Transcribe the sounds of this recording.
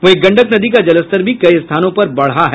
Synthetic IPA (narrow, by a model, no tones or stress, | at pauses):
ʋoeːk̚ɡɐ̃ɳɖəknɐd̪ik̬ad͡ʒɐləst̪əɾbʱikɐiɪst̪ʰaːnõpɐɾbɐɽ̤aɦɛ